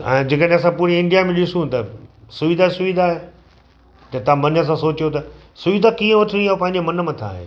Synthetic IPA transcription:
ɛ̰̃ːd͡ʑekəɗẽɐs̬ãpuːɾiɪ̃ɳɖijamẽɗɪsũt̪ɐsʊʋid̪ʱasʊʋid̪ʱaːɦeː | d͡ʑɐ̃t̪ãmɐnəs̬ãsoːt͡ɕijot̪ɐ | sʊʋid̪ʱakĩːə̃ʋɐʈʰĩñĩaːopɐ̃ɦɪ̃ɲ̆d͡ʑemɐnəmãt̪ʰa̰ːɦḛː

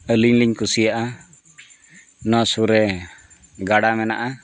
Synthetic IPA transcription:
əliɲliɲkusijaʔa | nɔsuɾɛ | ɡaɽamɛna̰ʔa

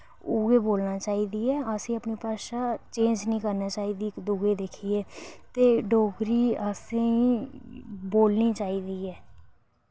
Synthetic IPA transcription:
uːɡeːboːlnaːt͡ʃaːiːd̪iːɛːəsĩːəpniːpaːʃaːt͡ʃẽːd͡ʒnĩːkəɾnaːt͡ʃaːiːd̪iːkd̪uɡeːd̪ekʰieːt̪eːɖoːɡɾiːəsẽĩː | boːlniːt͡ʃaːiːd̪iːɛː

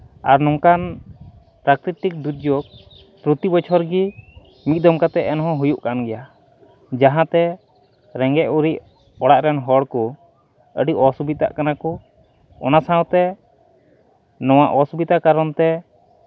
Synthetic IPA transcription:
aɾnɔŋkan | pɾakɾit̪ik̚d̪ut̪̚d͡ʒɔk̚ | pɾut̪ibɔt͡ʃʰɔɾɡi | mit̪̚ˀd̪ɔmkat̪ɛʔɛnɦɔ̃ɦujuʔkanɡɛja | d͡ʒaɦãt̪ɛ | ɾɛŋɡɛʔuɾic̚ | ɔɽaʔɾɛnɦɔɽkɔ | əɖiʔɔsubit̪a̰ʔkanakɔ | ɔ̰nasãwt̪ɛ | nɔw̃aʔɔsubit̪akaɾɔnt̪ɛ

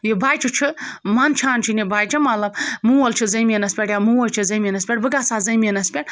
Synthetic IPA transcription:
jibaːjt͡ʃʰit͡ʃʰɨmɐnt͡ʃʰaːnt͡ʃʰinibaːjt͡ʃʰimɐlɐbmuwolt͡ʃʰɨzɐmʲenɐspʲeʈjamuwolt͡ʃʰɨzɐmʲenɐspʲeʈbɨɡasaːzɐjmʲenɐspʲeʈ

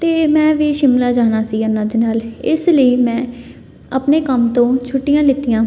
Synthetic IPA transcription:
t̪eːmɛ̃ːʋiːʃɪmlaːd͡ʒaːnaːsiːənãːd̪eːnaːlɪsləiːmɛ̃ː | əpneːkəmt̪õːt͡ʃʰʊʈːijãːlɪt̪ːijãː

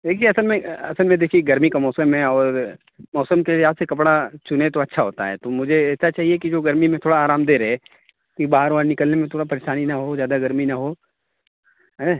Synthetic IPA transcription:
d̪eːkʰieɐsəlmẽɐ̰səlmẽd̪eːkʰieɡɐɾmikamɔːsəmːẽɔːɾ | mɔːsəmkeliɦaːd̪sekɐpɽat͡ʃʊnet̪oɐtːʃʰaɦoːt̪a̰ɦɛ̰ːt̪omʊd͡ʒʱeɛːsat͡ʃaːɦiekid͡ʒoːɡɐɾmimẽt̪ʰoːɽaaːɾaːmd̪eːɾɦɛ | kibaːəɾʋaːɾnɪkəlnemẽt̪ʰoːɽapɐɾeʃaːninaɦozjaːd̪aɡɐɾminɐɦo | ɦɛ

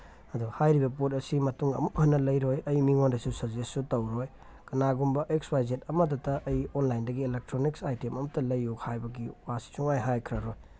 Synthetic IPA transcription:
ɐduhajɾibɐp̬ot̚ɐsimɐtuŋɐ̰mukɦɐnːɐlɐjɾojɐjmiŋondɐsusɐɾzesːutɐwɾoj | kɐnaɡumbɐʔeksbajd͡ʒet̚ɐmɐt̬ɐtɐʔːjonlajndɐɡielek̚tɾoniksajtemɐmɐtɐlɐjuhajbɐɡiwasi̥t͡ʃuŋajɦajkʰɾɐɾoj

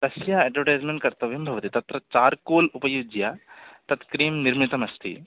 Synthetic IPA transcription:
t̪ɐsjaeːʈʋɐɾʈajzmẽɳʈkɐɾt̪ɐʋjumbʱɐʋɐt̪it̪ɐt̪ɾɐt͡ʃaːɾkoːlupɐjud͡ʒjat̪ɐt̪kɾiːmniɾmit̪ɐmɐst̪ʰḭ

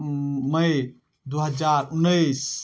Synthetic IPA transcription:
məj | d̪uɦəd͡ʒaɾunːəs

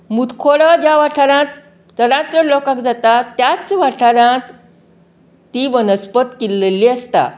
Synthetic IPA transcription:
mut̪kʰoɭəd͡ʑjaʋaʈʰaɾãt̪̚ | t̪əɾãt͡səlokãkd͡zat̪at̪ːjat͡sʋaʈʰaɾãt̪ | iʋənəspət̪kilːelːiəst̪a̰

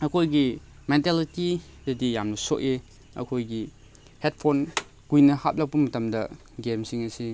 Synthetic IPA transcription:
ɐkʰojɡi | menteliti | dɐdijamnɐsoʔe | ɐ̰kʰojɡi | het̚pʰon | ɡ̥ujnɐhat̚lɐk̚pɐmɐtɐmdɐ | ɡemsiŋɐsi

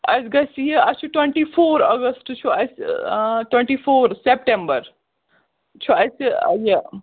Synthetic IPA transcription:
ɐsɡɐsjeɐst͡ʃʰuʈweɳʈifoːɾɐɡɐsʈt͡ʃʰuɐsʈweɳʈifoːɾsep̚ʈẽmbəɾ | t͡ʃʰuɐsje

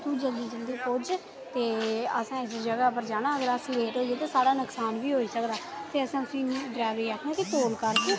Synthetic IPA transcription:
t̪ũːd͡ʒəld̪iːd͡ʒəld̪iːpʊd͡ʒ | t̪eːəsãːɪsd͡ʒəɡaːpəɾd͡ʒaːɽaːəɡəɾasleːʈɦoːieːt̪eːsaːɽaːnəksaːnʋiːɦoːiːsəkd̪aːt̪eːəsãːt̪ʊsĩːdɾɛːʋeːaːkʰnãːkɪt̪oːlkəɾkeː

